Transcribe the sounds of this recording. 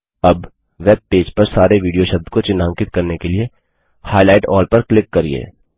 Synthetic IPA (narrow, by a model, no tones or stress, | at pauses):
ɐb | ʋeːb̚peːd͡ʒpɐɾsaːɾeʋiːɖijoʃɐb̚d̪kot͡ʃɪnːãːŋkɪt̪̚kɐɾnekelie | haːilaːɪʈɔːɾpɐɾklɪkːɐɾḭḛː